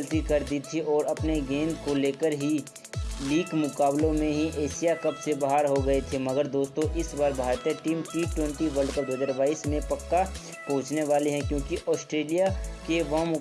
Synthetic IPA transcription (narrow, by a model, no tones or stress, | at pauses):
lt̪ikɐɾd̪iːt̪ʰiɔːɾɐpneɡẽːnd̪koleːkəɾɦi | liːkmʊkaːblõmẽɦiʔeːsijakɐpsebaɦaɾɦoɡɐet̪ʰemɐɡəɾd̪oːst̪õʔɪsbaːɾbʱaːɾt̪eʈiːmʈiʈwɛ̃ɳʈiʋəɾɖkəp̚d̪oːdzaɾʋaːɪsmẽpɐkːa | kõːt͡ʃneʋaːleɦɛ̃kjõːkiʔɔːsʈɾeːlijakeʋɐɦmʊ